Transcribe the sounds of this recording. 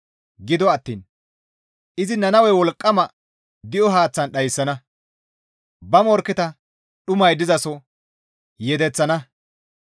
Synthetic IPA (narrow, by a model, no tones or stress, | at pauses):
ɡɪd̪ɔɐt̪ːḭːn | ʔɪzɪnɐnɐwɛjwɔlkʼːɐmɐ | d̪ɪʔɔɦaːt͡sːɐnɗɐjsːɐnɐ | bɐmɔɾkɛt̪ɐ | ɗʊmɐjd̪ɪzɐsɔ | jɛd̪ɛt͡sːɐnɐ